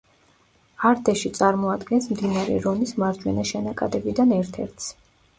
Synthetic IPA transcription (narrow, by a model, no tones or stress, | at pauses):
aɾd̪ɛʃit̪sʼaɾmɔad̪ɡɛnsmd̪inaɾɛ̰ɾɔnismaɾd͡ʒwɛ̰naʃɛnakʼad̪ɛbid̪anɛɾt̪ʰɛɾt̪ʰs